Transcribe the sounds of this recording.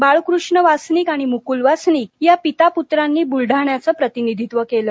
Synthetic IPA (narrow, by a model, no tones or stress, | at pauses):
baɭkɾuʂɳəʋasniːkaɽ̃imukulʋasniːkjapit̪aput̪ɾanːiːbulɖʱaɳjat͡səːpɾət̪inid̪ʱit̪ʋəkeləː